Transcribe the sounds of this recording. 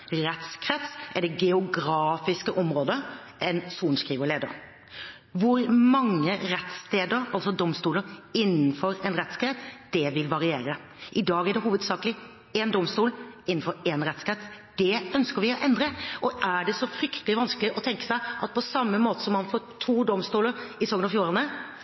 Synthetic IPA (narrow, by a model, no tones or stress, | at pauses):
ɾɛt̪skʰɾɛt̪sʔɛɖ̪ɛɡɛʊɡɾɑːfɪskəʔɔmɾoːd̪ə | ʔɛnsuːnskɾiːʋəɾleːd̪ə̰ɾ | ʋʊɾmɑŋːəɾɛt̪st̪eːd̪əɾɑlsɔd̪ɔmst̪uːləɾɪnːn̩fɔɾɛnɾɛt̪skɾɛt̪d̪̥ɛʋɪlʋɑɾɪeːɾə | ʔɪd̪ɑːɡæɖɛɦuːʋəd̪sɑːkəlɪ | ɛnd̪ɔmst̪uːlɪnːn̩fɔɾɛnɾɛt̪skɾɛt̪ | d̪̥ɛœnskəɾʋɪɔʔɛnd̪ɾəʔɔʔæɖɛsɔfɾʏkt̪əlɪʋɑnskəlɪʔɔt̪ʰɛŋkə̥sæɪʔɑt̪̚pʰɔsɑmːəmoːt̪ə̥sɔmːɑnfoːt̪ʰuːd̪ɔmst̪uːləɾɪsɔɡnɑfjuːɾɑnə